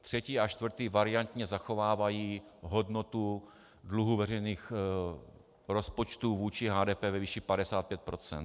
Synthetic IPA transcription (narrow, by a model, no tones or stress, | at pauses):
t̪r̝̥ɛciːat͡ʃt̪vr̩t̪iːvaɾɪant̪ɲɛzaxo̞vaːvajiːɦodnot̪u | dluɦuvɛrɛjniːx | ɾospot͡ʃt̪uvuːt͡ʃɪɦaːdɛːpɛːvɛviʃipadɛsaːt̪̚pjɛt̪̚pɾo̞t͡sɛ̰nt̪